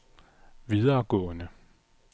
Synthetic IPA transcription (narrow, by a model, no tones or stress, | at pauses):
ʋiðˠɐːɡ̥ɔ̰̽ːnə